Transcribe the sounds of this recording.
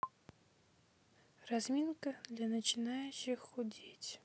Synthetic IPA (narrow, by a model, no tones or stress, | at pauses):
razmʲinkəd̪lʲanət͡ɕɪnajʊɕːɪxːʊdʲitʲ